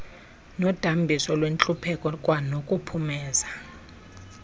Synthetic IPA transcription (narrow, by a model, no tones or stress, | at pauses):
nɔd̥ʱambʱisɔlwent͡ɬʼupʰɛkʼɔkʼwanokʼupʰumɛːza